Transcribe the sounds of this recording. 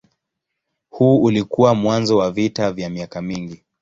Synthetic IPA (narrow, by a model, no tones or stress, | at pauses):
huːulikuwamwanzɔwavitavjamiakamiŋɡi